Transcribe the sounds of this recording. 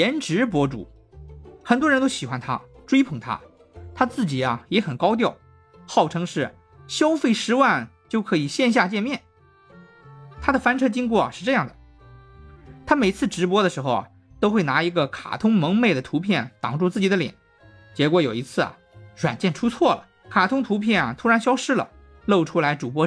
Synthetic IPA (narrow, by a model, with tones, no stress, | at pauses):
ɛ˧˥nʈ͡ʂɻ̩˧˥p̬wɔ˥ʈ͡ʂṵ˨˩ | xə˨˩nt̪wɻə˧˥nt̪o˥ʊɕi˨˩xwa˧˥nt̪ʰa̰˥ʈ͡ʂwe˥ɪpʰɤ˧˩ŋt̪ʰa̰˥ | t̪ʰa˥t͡sɹ̩˥˩t͡ɕi˨˩ɐ˦jɛ˧˥xə˨˩nkɑ˥ʊt̪̬jɑ˥˩ʊ | xɑ˥˩ʊʈ͡ʂʰɤ˧˥ŋʂɻ̩˥˩ | ɕjɑ˥ʊfe˥˩ɪʂɻ̩˧˥wa˥˧n | t͡ɕjo˥˩ʊkʰɤ˧˥i˨˩ɕjɛ˥˧nɕ̬ja˥˧t͡ɕjɛ˥˧nmjɛ˥˩n | t̪ʰa˥d̪ə˨fa˥nʈ͡ʂʰɤ˥t͡ɕi˥ŋkwɔ˥˩ʂɻ̩˥˧ʈ͡ʂɤ˥˧jɑ˥˩ŋd̪ə˩ | t̪ʰa˥me˨˩ɪt͡sʰɹ̩˥˩ʈ͡ʂɻ̩˧˥pwɔ˥d̪ə˨ʂɻ̩˧˥xo˧ʊ | t̪o˥ʊxwe˥˩ɪna˧˥i˧˥ɡə˧kʰa̰˨˩t̪ʰʊ˥ŋmɤ˧˥ŋme˥˩ɪd̪ə˩t̪ʰu˧˥pʰjɛ˥˩nt̪ɑ̰˨˩ŋʈ͡ʂu˥˧t͡sɹ̩˥˩t͡ɕi˨˩d̪ə˦ljɛ̰˨˩˦n | t͡ɕjɛ˧˥kwɔ˧˥jo˨˩ʊi˧˥t͡sʰɹ̩˥˩ɐ̰˩ | ɻwa̰˨˩nt͡ɕjɛ˥˩nʈ͡ʂʰu˥t͡sʰwɔ˥˩lə̰˩ | kʰa˨˩t̪ʰʊ˥ŋt̪ʰu˧˥pʰjɛ˥˩nɐ˩t̪ʰu˥ɻa˧˥nɕjɑ˥ʊʂɻ̩˥lə̰˨ | lo˥˩ʊʈ͡ʂʰu˥la˧˥ɪʈ͡ʂu˨˩pwɔ˥